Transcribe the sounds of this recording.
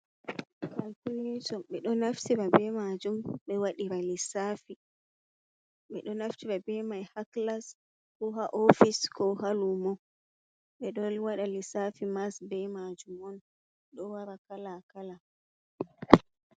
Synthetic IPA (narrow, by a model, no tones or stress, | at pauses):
kalkuletɔɓɛɗɔnaftiɾabɛmad͡ʒumɓɛwaɗiɾalisafi | ɓɛɗɔnaftibabɛmajhaklas | kɔɦaʔɔfiskɔhalumɔ | ɓɛɗɔlwaɗalisafimasbɛmad͡ʒumɔn | ɗɔwaɾakalakala